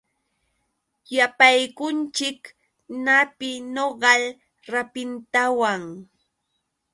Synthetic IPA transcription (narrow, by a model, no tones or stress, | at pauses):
japajkʊnt͡ʃɪk | napɪnoɢɑl | ɾapɪnt̪awaŋ